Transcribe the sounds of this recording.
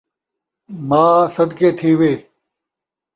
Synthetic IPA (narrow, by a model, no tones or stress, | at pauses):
mãːsɐd̪keːt̪ʰiːʋeː